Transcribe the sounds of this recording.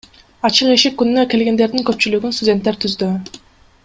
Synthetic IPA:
ɑt͡ʃɯqeʃik̚kːynynøke̞lɡe̞nd̪e̞ɾd̪iŋkøp̚t͡ʃylyɡynst̪ʊdʲe̞nt̪ːeɾt̪ʰyzd̪y

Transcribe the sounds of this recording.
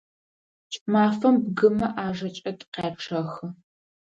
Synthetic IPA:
t͡ʃʼmaːfɐmbɡɨmɐʔaːʐɐt͡ʃʼɐtʼqeːpʈ͡ʂʰɐxɨ

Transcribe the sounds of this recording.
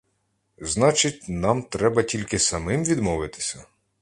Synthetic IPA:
znɑt͡ʃɪtʲnɑmt̪ɾɛbɐtʲilʲkɪsɐmɪmʋʲid̪mɔʋɪt̪ɪ̥sʲɐ

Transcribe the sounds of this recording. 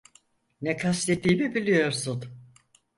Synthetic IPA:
nɛkʰast̪et̪ːiːmibilʲijo̞ɾsun

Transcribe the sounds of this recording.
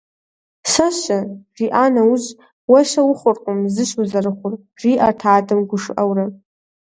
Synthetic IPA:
saʃariʔanauʒ | waʃawʊχʷʊrqʼʊmzɨʃuzarχʷʊr | riʔartʰaːtʰʼɨmɡʷʊʂa̰wra

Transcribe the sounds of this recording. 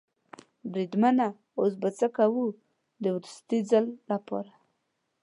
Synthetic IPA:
bɾid̪mana | os̬bat͡səkawu | d̪əwɾust̪izalːapɑ̰ɾa

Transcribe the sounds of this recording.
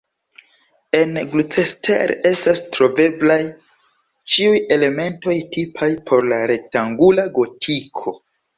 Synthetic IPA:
e̞nɡlut͡sestḛɾe̞stastɾo̞ve̞blaj | t͡ʃiuje̞le̞me̞nto̞jtipʰajpʰo̞ɾlaɾe̞k̚taŋɡulaɡo̞tʰikʰo̞

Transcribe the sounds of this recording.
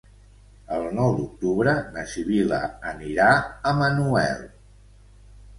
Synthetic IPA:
əlˠnɔwd̪uk̚t̪uβɾənəʃiβilə̰ːniɾaəmənuɛ̰lˠ

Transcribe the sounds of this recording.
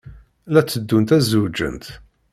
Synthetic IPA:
læt͡sːəd̪ːunt̪æzud͡ʒə̰nt̪

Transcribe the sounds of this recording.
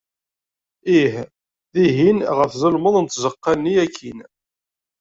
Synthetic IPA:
ih | ðiɦinʁəfzˤəlməðˤnt̪zəqːɑnːiækʰːin

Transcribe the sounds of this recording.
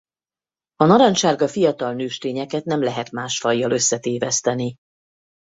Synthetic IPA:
ɒnɒɾɒɲʃaːrɡɒfijɒt̪ɒlnøːʃt̪eːɲɛkɛt̪nɛmlɛɦɛt̪maːʃfɒjːɒlø̞sːɛt̪eːvɛst̪ɛni

